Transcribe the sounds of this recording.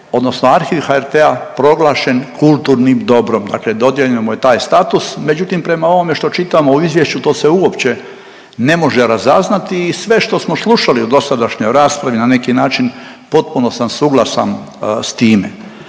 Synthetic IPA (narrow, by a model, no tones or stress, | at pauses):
o̞d̪no̞sno̞aɾxiʋxaeɾt̪eapɾo̞ɡlˠaːʃe̞nkulˠt̪uːɾnimd̪o̞bɾo̞md̪a̰kled̪o̞d̪jeʎiomoje̞t̪aːjst̪aːt̪usme̞d͡ʑut̪impɾe̞mao̞ʋo̞me̞ʃt̪o̞t͡ʃit̪amo̞uizʋjeʃt͡ɕut̪o̞ːseuo̞pt͡ɕe̞ | ne̞mo̞ʒeɾazaznat̪iːsʋe̞ʃt̪o̞smo̞slˠuʃaliud̪o̞sad̪aʃɲo̞jɾaːspɾaʋinane̞kinaːt͡ʃin | po̞t̪̚puno̞samsuːɡlˠasa̰nst̪iːmḛ